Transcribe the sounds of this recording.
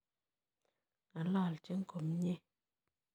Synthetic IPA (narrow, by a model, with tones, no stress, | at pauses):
a˨laː˦˨lt͡ʃe˦ŋ̩˦ko˨mɲe˦